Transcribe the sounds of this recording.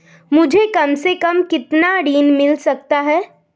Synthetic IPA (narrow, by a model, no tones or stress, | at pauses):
mʊd͡ʒʱekɐmsekɐmkɪt̪naɽiːnmɪlsɐk̚t̪aɦɛː